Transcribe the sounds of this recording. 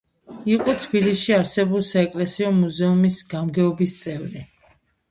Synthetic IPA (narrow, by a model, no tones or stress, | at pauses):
iqʼɔt̪ʰbilisʃiaɾsɛbulˠsaɛkʼlɛsiɔmuzɛumisɡ̥amɡɛɔbist̪sʼɛvɾi